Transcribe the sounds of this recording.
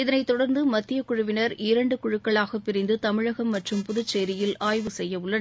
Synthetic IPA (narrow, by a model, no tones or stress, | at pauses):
ɪðɐnɐɪt̪ːɔɽɐɾnd̪ɯmɐt̪ːɪjɐkʊɻʊʋɪnɐɾɪɾɐɳɖɯkʊɻɯkːɐɭaːɣɐpːɪɾɪnd̪ɯt̪ɐmɪɻɐɣɐmːɐʈrɯmpʊðʊt͡ʃːeːɾɪjɪlaːjʋɯsɛjːɐʋɯɭːɐn